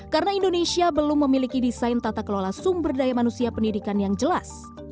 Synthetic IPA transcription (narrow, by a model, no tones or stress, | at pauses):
kaɾənaindonesiabəlʊmːəmilikidisajnt̪at̪akəlolasʊmbərdajamanusiapəndidikanjaŋd͡ʒəlas